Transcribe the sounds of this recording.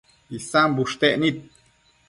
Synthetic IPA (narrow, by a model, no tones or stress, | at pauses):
isambuʃt̪eʔnit̪̚